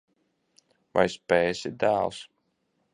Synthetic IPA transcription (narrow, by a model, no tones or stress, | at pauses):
va̰jspɛːsid̪æːlˠs